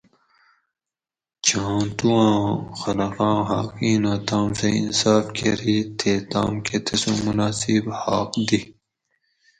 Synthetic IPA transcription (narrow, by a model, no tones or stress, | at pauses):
t͡ɕãːt̪uãːxɐlɐqãːɦaːqiːnat̪ãːmseḭnsaːfkʰḛɾit̪ʰeːt̪ã̰ːmkʰet̪ʰesũmunaːsibha̰ːqd̪i